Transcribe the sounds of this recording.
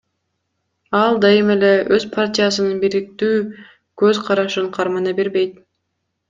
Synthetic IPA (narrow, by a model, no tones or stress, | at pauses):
ɑlˠd̪ɑjɯme̞le̞øzpʰartʲɪjasɯnɯnbiɾik̚t̪yː | kø̞zqʰɑɾɑʃɯɴqʰɑɾmɑnɑbeɾbe̞jt̪